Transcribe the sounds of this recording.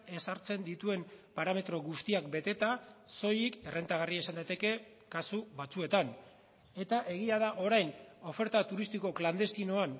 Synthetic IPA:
e̞saɾt͡se̞nd̪it̪ue̞mpaɾame̞t̪ɾo̞ɣust̪iak̚be̞t̪e̞t̪aso̞jike̞rʔe̞nt̪aɣariaesand̪ajt̪e̞ke̞ | kasuβat͡sue̞t̪an | e̞t̪aʔe̞ɣ̞iað̞aʔo̞ɾajno̞fe̞ɾt̪at̪uɾist̪iko̞kland̪e̞st̪ino̞an

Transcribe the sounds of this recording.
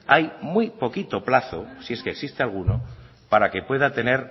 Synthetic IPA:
ajmwipo̞kit̪o̞plaθosie̞skeksist̪ealɣ̞uno | paɾake̞pwe̞ðat̪e̞ne̞ɾ

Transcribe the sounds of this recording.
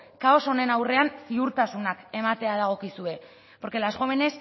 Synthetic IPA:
kao̞so̞ne̞nawre̞ansiuɾt̪asunake̞mat̪e̞að̞aɣ̞o̞kisue̞ | po̞ɾke̞lazɣomene̞s

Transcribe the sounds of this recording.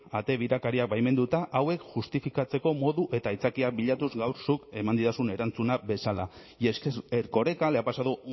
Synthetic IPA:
at̪e̞βiɾakaɾiak̚bajme̞nd̪ut̪aʔawe̞kʝust̪ifikat͡se̞ko̞mo̞ðuʔe̞t̪ait͡sakiak̚biʎat̪uzɡawɾsuke̞mand̪iðasune̞ɾant͡sunabe̞sala | eeɾko̞ɾe̞kale̞apasaðu

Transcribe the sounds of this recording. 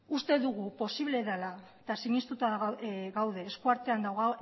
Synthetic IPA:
ust̪e̞ðuɣupo̞siβ̞le̞ðalaet̪asiɲist̪ut̪aɣawð̞e̞ːskuaɾt̪e̞and̪awɣa

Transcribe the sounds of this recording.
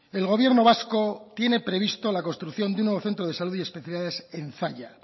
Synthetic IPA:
e̞lɣ̞o̞β̞je̞ɾno̞β̞asko̞t̪je̞ne̞pɾe̞β̞ist̪o̞lakonst̪ɾuθjo̞nd̪unːweo̞θent̪ɾoðesaluðie̞speθjaliaðesenθaʎa

